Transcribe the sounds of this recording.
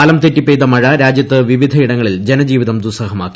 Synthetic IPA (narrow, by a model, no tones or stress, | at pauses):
aːlɐmt̪etːipːeːd̪ɐmɐɻɐɾaːd͡ʑjɐt̪ːɨʋiʋid̪ʱɐiɽɐŋːɐɭild͡ʑenɐd͡ʑiːʋiðɐmd̪usɐɦɐmaːkːi̥